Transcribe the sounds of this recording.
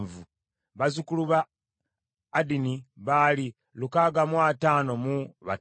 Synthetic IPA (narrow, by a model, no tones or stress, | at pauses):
vu | βazukuluβa | diniβaːli | lukaːɡamwataːno̞muβa